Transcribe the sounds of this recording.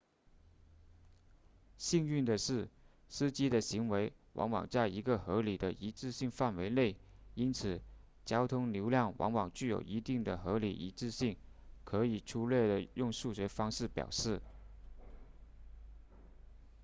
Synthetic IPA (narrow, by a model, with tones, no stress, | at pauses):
ɕi˥˧ŋy˥˩nd̪ə˨ʂɻ̩˥˩ | sɹ̩˥t͡ɕi˥d̪ə˨ɕi˧˥ŋwe˧˥ɪwɑ̰˧˥ŋwɑ̰˨˩ŋt͡sa˥˩ɪi˧˥ɡə˧xɤ˧˥li˨˩d̪ə˦ʔi˧˥ʈ͡ʂɻ̩˥˧ɕi˥˧ŋfa˥˩nwe˧˥ɪle˥˩ɪi˥nt͡sʰɹ̩˨˩ | t͡ɕjɑ˥ʊt̪ʰʊ˥ŋljo˧˥ʊljɑ˥˩ŋwʔɑ̰˧˥ŋwɑ˨˩ŋt͡ɕy˥˩jo̰˨˩ʊi˧˥t̪i˥˩ŋd̪ə˩xɤ˧˥lḭ˨˩ʔḭ˧˥ʈ͡ʂɻ̩˥˧ɕi˥˩ŋkʰɤ˧˥i˨˩ʈ͡ʂʰu˥ljɛ˥˩d̪ə˩jʊ˥˧ŋʂu˥˩ɕɥɛ˧˥fɑ˥ŋʂɻ̩˥˩pjɑ̰˨˩ʊʂɻ̩˥˩